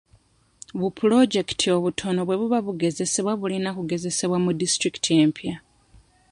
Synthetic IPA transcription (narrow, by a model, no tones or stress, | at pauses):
βupulo̞ɟe̞ktʰio̞βutʰo̞no̞βwe̞βuβaβuɡe̞ze̞se̞βwaβulinakuɡe̞ze̞se̞βwamudistɾiki̥tʰie̞mpja